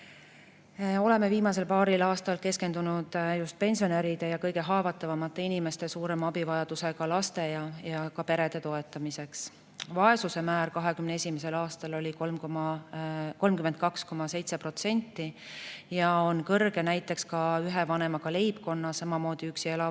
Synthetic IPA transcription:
o̞le̞me̞viːmɑse̞lpɑːɾilɑːst̪ɑlke̞ske̞nd̪unud̪̥just̪̚pe̞nʲsio̞neɾid̪̥e̞jɑkɤjɡe̞ɦɑːvɑt̪ːˑɑvɑmɑt̪ˑːe̞inime̞st̪e̞suːɾe̞mɑbivɑjɑd̪̥use̞ɡ̥ɑlɑst̪e̞jɑjɑkɑpe̞ɾe̞d̪̥e̞t̪o̞e̞t̪ːˑɑmise̞ks | vɑe̞susemæːɾkɑɦe̞kymnee̞sʲimes̬e̞lɑːst̪ɑlo̞lʲikolmkomɑ | ko̞lmkyme̞nt̪̚kɑksko̞mɑse̞jt̪se̞prot̪se̞nʲt̪ːˑijɑonkɤrɡe̞næjt̪ːˑe̞kskɑyɦe̞vɑne̞mɑɡ̥ɑle̞jbko̞nːɑsɑmɑmo̞ːd̪̥iyksielɑ

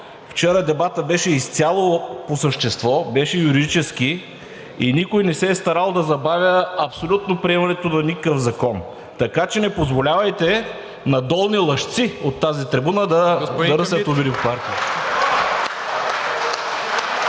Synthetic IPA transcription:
ft͡ʃɛɾəd̪ɛbat̪əbɛʃɛist̪sʲalˠoposəʃt̪ɛst̪vɔbɛʃɛjuɾid̪it͡ʃɛski | inikojnɛsɛːst̪ɐɾalˠd̪ɐzɐbavʲjəɐpsolʲut̪nopɾiɛmɐnɛt̪onɐnikəkəfzɐkɔn | t̪ɐkat͡ʃɛnɛpozvolʲavɐjt̪ɛ | nɐd̪ɔlˠnilˠɐʃt̪siot̪ːazit̪ɾɛbunəd̪ɐd̪ɐɾɐsɛɐt̪obiɾippaɾk̪i

